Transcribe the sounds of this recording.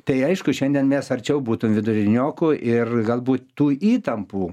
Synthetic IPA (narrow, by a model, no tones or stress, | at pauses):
t̪ɐɪɐɪʃkʊʃʲɛnʲd̪ʲiɛnmʲɛsɐrʲt͡ʃʲɛʊbuːt̪ʊmʋʲɪd̪ʊɾʲɪnʲoːkʊʔɪrɡɐlˠbuːt̪t̪uːiːt̪ɐmpuː